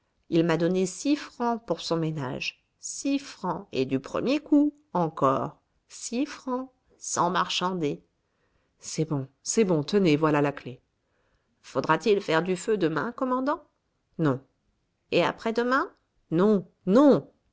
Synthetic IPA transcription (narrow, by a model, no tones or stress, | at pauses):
ilmad̪ɔnesifχɑ̃puʁsɔ̃mena̰ʒ | sifχɑ̃ḛd̪ypχə̰mjeku | ɑ̃kɔ̰ʁ | sifχɑ̃ | sɑ̰̃maʁʃɑ̃d̪e | sɛbɔ̃sɛbɔ̃t̪ənevwalalakle | fod̪ʁat̪ilfɛʁd̪yfød̪əmɛ̰̃kɔmɑ̃d̪ɑ̃ | nɔ̃ | ea̰pχɛd̪əmɛ̃ | nɔ̃ | nɔ̃